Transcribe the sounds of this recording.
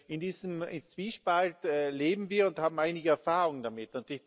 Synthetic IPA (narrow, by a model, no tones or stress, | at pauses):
ɪndiːzəmɪ̰nt͡sv̥iːʃpaltɛleːbm̩viːɐʊnthaːbm̩ʔaɪnɪɡəɛɐfaːʁʊŋdamɪtʊntɪ